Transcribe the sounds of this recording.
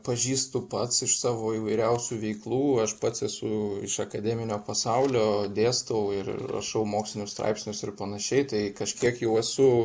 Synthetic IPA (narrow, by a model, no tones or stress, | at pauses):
pɐʒʲiːst̪ʊpɐt̪sɪʃsɑːʋoːiːʋɐɪɾʲɛʊsʲuːʋʲɛɪklˠuːɐʃpɐt̪sɛsʊɪʃɐkɐd̪ʲɛːmʲɪnʲoːpɐsɐʊlʲoːd̪ʲeːst̪ɐʊɪɾɪ̰rɐ̰ʃɐʊmoːksʲlʲɪnʲʊst̪ɾɐ̰ɪpʲsʲnʲʊsɪɾpɐnɐʃʲɛɪt̪ɐɪkɐʃʲkʲiɛkjɛʊɛsʊ